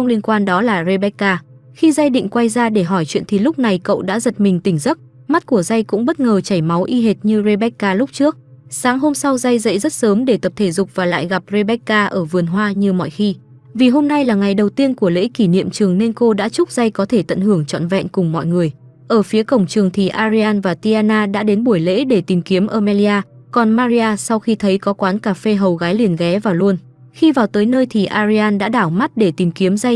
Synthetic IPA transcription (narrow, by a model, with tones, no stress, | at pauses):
ŋ͡mli˧ənkwaː˧nɗɔ˨˦laː˨˩ze˧ɓɛ˦˥kːaː˧ | xi˧za˧jɗḭ̈˧˨ŋ̟kwa˧jzaː˧ɗe˧˩ɦɔ˧˩jt͡ɕwḭ˧˨ənt̪ʰi˨˩lʊ˦˥k͡p̚na˨˩jkə̰˧˨wɗa̰ː˧˥zə˨˩t̚mï˨˩ŋ̟t̪ï˧˩ŋ̟zə˦˥t̚ | ma˦˥t̚ku˧˩əza˧jkʊ̰˧˥ŋ͡mɓə˦˥t̚ŋəː˨˩t͡ɕa˧˩jma˨˦wʔi˧ɦe˨˩t̚ɲɨ˧ze˧ɓɛ˦˥kːaː˧lʊ˦˥k͡p̚t͡ɕɨ˦˥ək̚ | saː˨˦ŋɦo˧msa˧wza˧jzə̰˧˥jzə˦˥t̚səː˨˦mɗe˧˩t̪ə˨˩p̚t̪ʰe˧˩zʊ˨˩k͡p̚vaː˨˩la̰ː˧˨jɣa˨˩p̚ze˧ɓɛ˦˥kːaː˧ʔəː˧˩vɨ˨˩ənɦwaː˧ɲɨ˧mɔ̰˧˨jxi˧ | vi˨˩ɦo˧mna˧jlaː˨˩ŋa˨˩jɗə˨˩wt̪i˧ənku˧˩əlḛ˧˥ki˧˩nḭ˧˨əmt͡ɕɨ˨˩əŋne˧nko˧ɗa̰ː˧˥t͡ɕʊ˦˥k͡p̚z̥a˧jkɔ˨˦t̪ʰe˧˩t̪ə̰˧˨nhɨ˧˩əŋt͡ɕɔ̰˧˨nvɛ̰˧˨nkʊ˨˩ŋ͡mmɔ̰˧˨jŋɨ˨˩əj | ʔəː˧˩fi˨˦əkə˧˩wŋ͡mt͡ɕɨ˨˩əŋt̪ʰi˨˩ʔaː˧zi˧aː˧nvaː˨˩t̪i˧aː˧naː˧ɗa̰ː˧˥ɗe˨˦nɓu˧˩əjlḛ˧˥ɗe˧˩t̪i˨˩mki˨˦əmʔəː˧˩maː˧li˧aː˧ | kɔ˨˩nmaː˧zi˧aː˧sa˧wxi˧t̪ʰə˨˦jkɔ˨˦kwaː˨˦nkaː˧˩fe˧ɦə˨˩wɣaː˨˦jli˨˩ənɣɛ˨˦vaː˨˩lu˧ən | xi˧vaː˨˩wt̪əː˨˦jnəː˧jt̪ʰi˨˩ʔaː˧zi˧aː˧nɗa̰ː˧˥ɗaː˧˩wma˦˥t̚ɗe˧˩t̪i˨˩mki˨˦əmza˧j